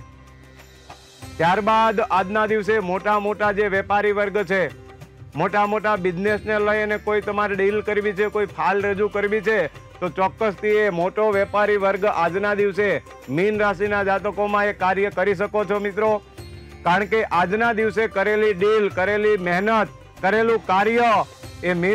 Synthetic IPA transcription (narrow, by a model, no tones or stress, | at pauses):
t̪jaɾbad̪ad͡ʒnad̪iʋsemoʈamoʈad͡ʒeʋɛpaɾiʋəɾɡt͡ʃʰe | moʈamoʈabɪd͡ʒnesneləjənekoit̪əmaɾɖilkəɾʋit͡ʃʰekoipʰalɾəd͡ʒukəɾʋit͡ʃʰet̪ot͡ʃɔkːəst̪ʰiemoʈoʋɛpaɾiʋəɾɡad͡ʒnad̪iʋse | minɾas̬inad͡ʒat̪əkomãekːaɾjəkəɾiʃ̬əkot͡ʃʰomɪt̪ɾo | kaɾəɳkeʔad͡ʒnad̪iʋsekəɾeliɖilkəɾelimɛɦnət̪̚ | kəɾelũkaɾjəemi